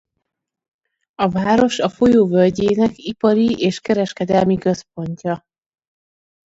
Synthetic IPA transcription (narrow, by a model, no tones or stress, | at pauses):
ɒvaːɾo̞ʃɒfo̞joːvølɟeːnɛkipɒɾieːʃkɛɾɛʃkɛd̪ɛlmikø̞spo̞ɲcɒ